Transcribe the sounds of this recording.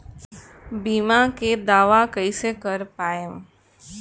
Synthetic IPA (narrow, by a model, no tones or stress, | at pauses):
biːmaked̪aːʋakəisekəɾpaːə̃m